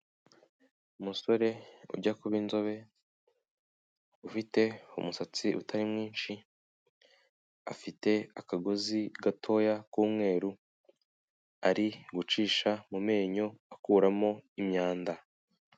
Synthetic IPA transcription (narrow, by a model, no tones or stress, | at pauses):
umuso̞ɾe̞ṵɾɟakuβinzo̞βe̞ | ufite̞ṵmusat͡siʔṵtʰaɾimŋiːnʃi | a̰fite̞akaɡoziɡatʰo̞ːjakuːmŋe̞ːɾu | aɾiɡut͡ʃiːʃamume̞ːɲo̞akuːɾamo̞imɲaːnda